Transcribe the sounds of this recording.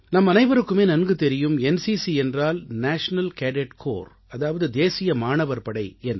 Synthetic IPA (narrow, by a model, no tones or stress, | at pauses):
nɐmːɐnɐɪʋɐɾɯkːɯmeːnɐnɡɯt̪ɛɾɪjɯmɛnsisiɛndraːlnaːʂɐnɐlkeːɖɛʈkʰo̰ːɾ | ɐðaːʋɐðɯd̪eːsɪjɐmaːnɐʋɐɾpɐɽɐɪɛn